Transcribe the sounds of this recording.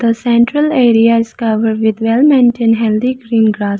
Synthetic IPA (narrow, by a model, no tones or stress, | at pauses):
d̪̥əsɛ̃ɳʈɾəleːɾiaɪzkʌʋəɾɖʋɪd̪ʋɛlmɛ̃ɳʈɪ̃nɦɛld̪iɡɾĩːnɡɾas